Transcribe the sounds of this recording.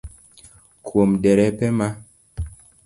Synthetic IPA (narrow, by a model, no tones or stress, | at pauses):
kʰwomdɛɾɛpɛma